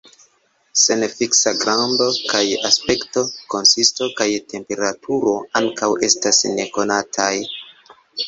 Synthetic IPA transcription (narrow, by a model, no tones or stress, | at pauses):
se̞nfiksaɡɾando̞kajaspe̞kto̞ko̞nsisto̞kajtʰe̞mpe̞ɾatʰuɾo̞aŋkawe̞stasne̞ko̞natʰaj